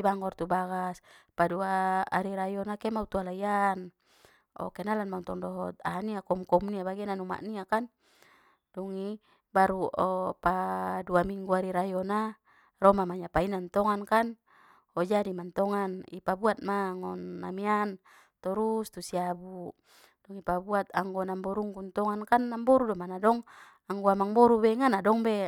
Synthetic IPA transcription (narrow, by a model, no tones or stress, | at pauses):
baŋɡɔrt̪ubaɡaspadua̰ːɾiɾajɔnakɛmaut̪ualaian | ɔ̰kɛnalanmaunt̪ɔŋdɔɦɔt̪̚aniakɔmkɔmniabaɡɛnanuma̰ʔniakan | duŋi | baɾuɔpaduamiŋɡuaɾiɾajɔna | rɔmamaɲapainant̪ɔŋankan | ɔd͡ʒadimant̪ɔŋanḭpabuat̪̚maŋɔnːa̰mian | t̪ɔɾust̪usiabu | dɔŋipabuat̪aŋɡɔnambɔɾuŋɡunt̪ɔŋankanːambɔɾudɔmanadɔŋ | aŋɡɔamaŋbɔɾubɛŋanadɔŋbɛ